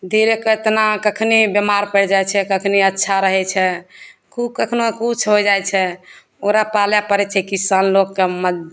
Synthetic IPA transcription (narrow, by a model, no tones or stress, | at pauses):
d̪ʱiɾeket̪nakəkʰnibemaɾpəɾd͡ʒajt͡ʃʰɛkəkʰniətːʃʰaɾəɦɛt͡ʃʰɛkukəkʰnoekut͡ʃʰɦojd͡ʒajt͡ʃʰɛ | oɾapaljapəɾɛt͡ʃʰɛkisanlokːeməd̪